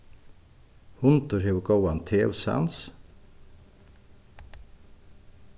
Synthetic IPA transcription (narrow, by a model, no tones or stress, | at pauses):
hʊnt̪ʊɾeːʊɡowɑnt̪ʰeːʊ̰sæ̰ns